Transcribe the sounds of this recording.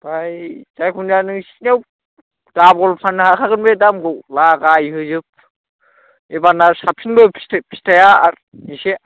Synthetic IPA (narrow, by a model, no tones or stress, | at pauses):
bajd͡ʒajkʰunanɯŋsi̥new | dabɔlpʰanːɯhakʰaɡɯnbedamɡɯwlaɡajɦɯzɯp̚ | ebanasapʰinbɯpʰi̥tpʰi̥stʰajaaɾ | nise